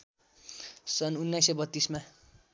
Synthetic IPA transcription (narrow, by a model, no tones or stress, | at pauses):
sʌnunːajsːʌbʌt̪ːisma